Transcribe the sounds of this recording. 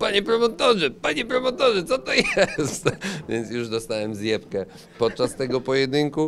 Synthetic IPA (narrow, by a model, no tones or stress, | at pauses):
paɲɛpɾɔmɔt̪ɔʐɛpaɲɛpɾɔmɔt̪ɔʐɛt̪sɔt̪ɔjɛst̪vʲjɛnt̪sjuʐd̪ɔst̪awɛmzjɛpkɛ | pɔt̪̚t͡ʂast̪ɛɡɔpɔjɛd̪ɘŋku